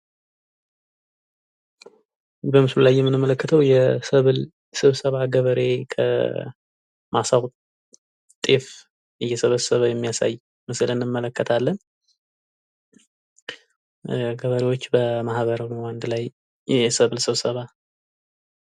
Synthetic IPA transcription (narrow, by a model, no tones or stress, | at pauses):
bəmɨslulajːɛmːɨnɨmːələkːət̪ʰəwjɛsəβɨl | sɨβsəβaɡəβəɾe̞kʰə̰ | masaw | t̪ʼef | ɨjːɛsəβəsəβajɛmːijasa̰jː | mɨslɨnɨmːələkːət̪ʰalːən | ɡəβəɾewot͡ʃːbəmahβəɾənwand̪laj | ɛsəβɨlsɨβsəβa